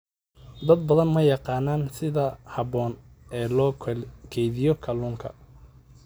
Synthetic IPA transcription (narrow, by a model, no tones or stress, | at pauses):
d̪ɐd̪̚bɐðɐnmɐjɑqɑːnaːnsɪðɐhɐβɔːnɛːlɔːkʰɛjðɪjɔkʰɐluːŋkʰɐ̰